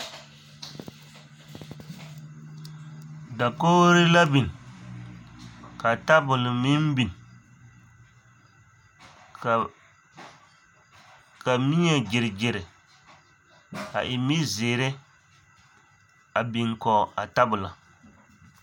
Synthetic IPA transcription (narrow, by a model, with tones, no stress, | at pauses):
da˨koː˦ɾɪ˦la˦bi˨n | ka˨ta˦bʊ˨lɪ˨mi˦m˦bi˨n˨ | ka˨mi˦ɲɛ˨d͡ʒɪ˨ɾɪ˨d͡ʒɪ˨ɾɪ˨ | ka̰˨ʔɪ˨mi˦zeː˨ɾɪ˦ | a˨bi˨ŋkɔ˨a˨ta˦bʊ˨la˨